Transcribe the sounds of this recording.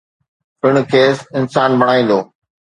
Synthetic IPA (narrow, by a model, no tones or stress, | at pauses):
pɪɽ̃ʊ̆kʰeːsɪnsaːnbʱɐɽ̃aːĩːn̆d̪oː